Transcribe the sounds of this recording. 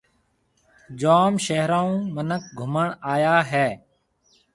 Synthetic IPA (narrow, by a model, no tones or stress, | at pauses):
d͡ʒaːmʃeɦɾaːũːmənək̚ɡʱʊməɳaːjaːɦɛː